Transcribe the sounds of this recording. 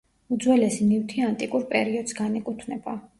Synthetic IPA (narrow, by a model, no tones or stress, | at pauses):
ud̪zwɛlɛsinift̪ʰiant̪ʼikʼuɾpʼɛɾiɔd̪sɡanɛkʼut̪ʰnɛba